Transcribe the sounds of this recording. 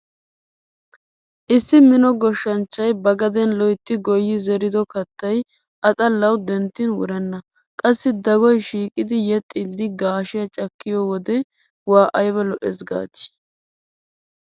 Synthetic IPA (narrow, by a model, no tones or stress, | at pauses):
ʔɪsːɪmɪnɔɡɔʃːɐnt͡ʃːɐjbɐɡɐd̪ɛnlɔjt̪ːɪɡɔjːɪzɛɾɪd̪ɔkɐt̪ːɐj | ʔɐt̪ʼɐlːɐwd̪ɛnt̪ːɪnwʊ̰ɾɛnːɐ | kʼɐsːɪd̪ɐɡɔjʃiːkʼɪd̪ɪjɛt̪ʼːɪd̪ːɪɡaːʃɪjɐt͡ʃʼɐkːɪjɔːwɔd̪ɛ | waːʔɐjbɛlɔʔɛsɡa̰ːt͡ʃːɪ̥